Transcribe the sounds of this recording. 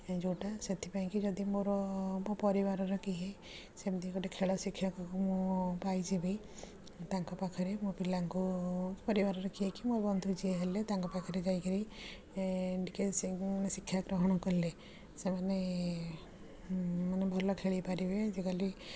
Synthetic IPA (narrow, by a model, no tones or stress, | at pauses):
d͡ʒoʈaset̪ʰipaĩkid͡ʒɔd̪imoɾɔpɔɾibaɾɔɾɔkiɦe | sebd̪ikɔʈekʰeɭɔsikʰːjakɔkumũpajd͡ʒibi | t̪aŋkɔpakʰɔɾemupilaŋkupɔɾibaɾɔɾɔkiɦekimoɾbɔnd̪ʱud͡ʒieɦelet̪aŋkɔpakʰɔɾed͡ʒajkeɾi | ɖikesisikʰːjaɡɾɔɦɔɽ̃ɔkɔɾile | semane | manebʱɔlɔkʰeɭipaɾibed͡ʒekali